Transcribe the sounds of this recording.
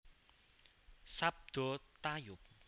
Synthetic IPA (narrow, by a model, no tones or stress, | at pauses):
sab̚d̪̥ɔt̪ajʊk̚